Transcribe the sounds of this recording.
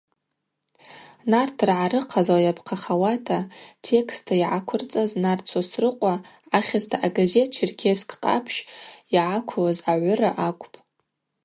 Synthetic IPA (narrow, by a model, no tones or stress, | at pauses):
nartʰrʕaɾɨqʰazawajapʰqʰaχawatʰatʰe̞kʰstʰaiʕakʷʰʊrt͡sʼaznart͡sʰasrɨqʷʼaaχʲaztʰaʔaɡaze̞t̚t͡ʃʰirkʲʰeskʰʼqʼa̰pʰʃiʕakʷʰlazaʕʷʊraʔakʷʰʼpʼ